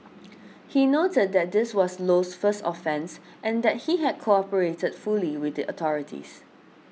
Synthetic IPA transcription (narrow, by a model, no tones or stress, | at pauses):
hinotəd̚dɛt̚d̪ɪswɔslosfəstɔfɛ̃ns | ʔɛ̃ndɛt̚hiɦɛd̚kʰoɔpəɹetədfuliwɪθdiʔətʰɔɹɪtʰḭs